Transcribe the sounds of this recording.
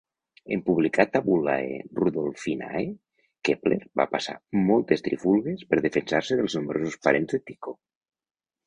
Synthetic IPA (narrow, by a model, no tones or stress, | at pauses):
empuβlikat̪aβula̰ḛruðolˠfina̰e | kepleɾba̰pasa̰mɔlˠt̪est̪ɾḭfulˠɣespeɾðefensaɾseðelˠznumɾʔosospaɾenzðet̪iko